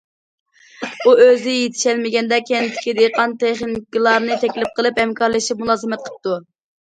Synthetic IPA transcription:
uøzɪjet̪ʰɪ̥ʃɛlmɪɡʲɛnd̪ɛkʲʰɛnt̪ʰɪ̥kʲid̪eqʰɑnt̪ʰeχnɪkʲilˠɑɾnɨt̪ʰɛkʲlɪp̚qʰəlˠɨphɛmkʰɑɾlˠɨʃip̚mulˠɑːzɨmɛt̪̚qʰə̥p̚t̪u

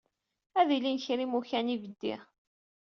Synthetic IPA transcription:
æðilinçɾimuçænivəd̪ːḭʁ

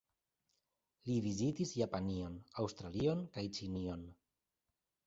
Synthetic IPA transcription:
liβizit̪izjapanionawst̪ɾalionkajt͡ʃinion

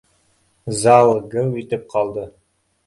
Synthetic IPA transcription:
zɑlˠɡɤwit̪ɘp̚qʰɑlˠd̪ɤ

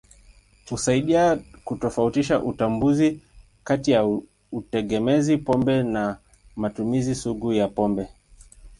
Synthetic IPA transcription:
kusaiɗiakutɔfautiʃaʔutambuzi | katija | utɛɠɛmɛzipɔmbɛna | matumizisuɡujapɔmbɛ

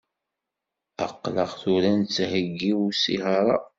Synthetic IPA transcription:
ə̰qːləʁθuɾænt͡sːhəɡːiwusḭhɑɾˤɑ

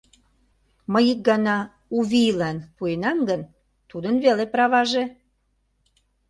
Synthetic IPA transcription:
məjik̚ɡɑnɑ | uβilɑnpuenɑmɡən | t̪ud̪ənβelepɾɑβɑʒe

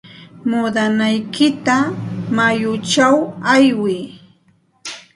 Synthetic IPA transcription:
mʊd̪anajkɪt̪amajʊt͡ʃawajwɪː

